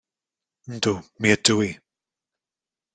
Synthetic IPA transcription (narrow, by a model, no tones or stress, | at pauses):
n̩d̪umiədui